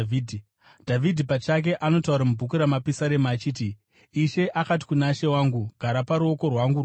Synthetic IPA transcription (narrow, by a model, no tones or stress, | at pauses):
idʱ | dʱavidʱipat͡ʃak̬e̞ʔano̞tauɾamubʱukuɾamapisaɾemaːt͡ʃiːtiː | ʃe̞ʔakat̬i̥kunaʃe̞waːŋɡuɡʱaɾapaɾuo̞ko̞rwaŋɡur